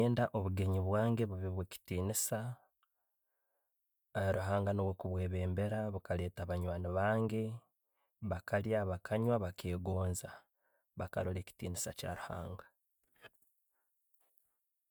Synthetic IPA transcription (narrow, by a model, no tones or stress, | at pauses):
eːndaʔo̞βuɡe̞ɲiβwaːŋɡe̞βuβiβweci̥tiːnisa | ɾuɦaːŋɡanoβwokuβwe̞ːβe̞ːmbe̞ɾaβukale̞ːtaβaɲwaːniβaːŋɡe̞ | βakʰaljaβakʰaɲwaβakʰe̞ːɡo̞ːnza | βaka̰ɾole̞ːci̥tiːnisaca̰ɾuha̰ːŋɡḁ